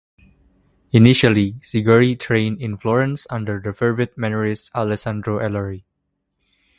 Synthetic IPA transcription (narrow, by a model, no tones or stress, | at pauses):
iniʃəlisiɡəɹitʰɹẽnɪ̃nflɔɹə̃nsãndəɹdəfɛɹvət̚mɛməɹisalɛsãndɹoʔɛləɹi